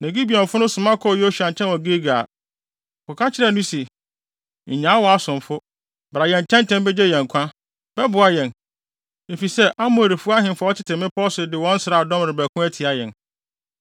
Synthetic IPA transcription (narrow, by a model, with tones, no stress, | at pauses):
nɛ̃˨ɡi˦bi˨ɛ̃˨m˨fʊ˦nʊ̃˦sʊ̃˨mã˦kʰɔ˦˨jo˦ɕu˨ã˨ɲ˨t͡ɕʰɛ̃˦nwɔ̃˨ɡe˦ɡa˨ | kɔ˨kʰa˦t͡ɕʰɪ˦ɾɛ˨nũ˦si˨ | ɲ̩˨ɲã˨˦wɔ˨a˦sʊ̃˨m˨fʊ˦ | bɾa˨jɛ̃˨ɲ˨t͡ɕʰɛ̃˦ntʰɛ̃˦n˦bɛ˦d͡ʑɛ˦jɛ̃˨ŋ̩˨kʷʰã˦ | b̥ɛ˦bʊ˨a˨jɛ̃˨n | e˨fi˨sɛ˦ʔa˦mʊ̃˨ɾi˨fʊ˦a˦hɪ̃˨mfa˨˦ɔ˦t͡ɕʰɪ˦tʰɪ˨mɪ̃˦pʰɔ˦sʊ˨dɪ˨wɔ̃˦n̩˦sɾa˨dɔ̃˦mɾɪ˨bæ˨kʰʊ̃˦æ˦tʰi˨a˨jɛ̃˨n